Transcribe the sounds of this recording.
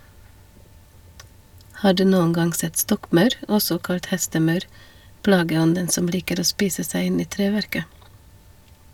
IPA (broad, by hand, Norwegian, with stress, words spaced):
ˈhɑː ˈɖʉː ˈnuːən ˈɡɑŋɡ ˈsɛt ˈstɔkˌmɑʉɾ ˈɔsɔ ˈkɑlt ˈhɛstəˌmɑʉɾ ˈplɑːɡəˌɔndən ˈsɔm ˈliːkəɾ ˈoː ˈspiːsə ˈsæɪ ˈɪn ˈiː ˈtɾeːˌʋɛɾkə